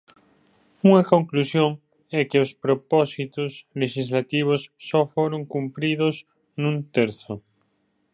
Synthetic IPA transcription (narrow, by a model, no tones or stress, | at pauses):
uŋɐkõŋklusjoŋ | ɛkeospɾopɔsit̪osleʃizlat̪iβ̞osːɔfoɾoŋkumpɾiðos | nũnt̪eɾθo